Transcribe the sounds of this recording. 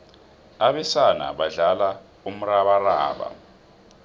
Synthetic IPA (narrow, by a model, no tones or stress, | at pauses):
aβɛsana̰ɓaɮala | um̩raβaraːɓa̰